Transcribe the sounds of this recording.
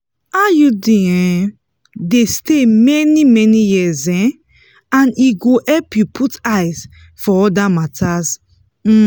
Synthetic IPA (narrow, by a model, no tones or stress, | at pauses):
ajudiɛ̃ | destemɛnimɛnijizɛ̃ | ãniɡoʔɛlpjupʰutaɪz | fɔɔdamatʰaz | m̩